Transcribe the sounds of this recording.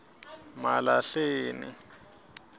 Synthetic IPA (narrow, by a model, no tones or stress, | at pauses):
malaɬeːnḭ